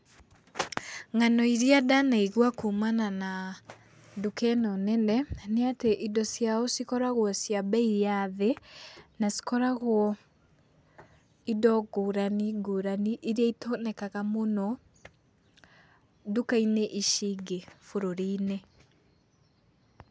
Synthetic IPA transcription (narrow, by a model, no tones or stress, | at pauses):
ŋanɔiɾiadanaiɣwakumanana | dukɛnɔnɛnɛneateʔidɔsjaosikɔɾaɣwɔsjabɛijaðenasi̥kɔɾaɣwɔ | idɔɡoɾaniɡoɾaniʔiɾiaitonɛkaɣamonɔ | dukaineʔiʃiɡefoɾoɾine